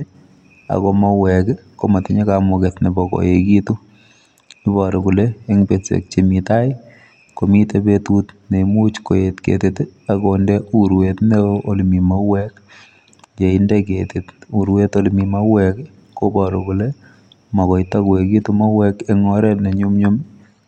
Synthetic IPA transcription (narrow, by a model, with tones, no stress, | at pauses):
a̰˨kɔ˨ma˦wɛkko˦ma˨ti˨ɲe˦kamɔ˨ketne˨bɔ˨ko̰˨jeki˦tu˦ | ni˦bɔ˨ɾo˨ku˨le˦e˦ŋpetsḛ˨k̚t͡ʃemita˦j | ko˨mi˦tepetutne˨mu˦t͡ʃko˨jetkḛ˨teta˨kondɛuɾwetneolmi˨ma˦wɛk̚ | d͡ʒe˨indɛketetu˨ɾwe˦to˦lmi˨ma˦wɛk | ko˦bɔ˨ɾo˨ku˨le˦ | ma˨kɔ˨jta˦ke˨ki˦tu˦ma˦wɛ˦ke˦ŋɔɾɛ˦tne˨ɲu˦mɲo˦m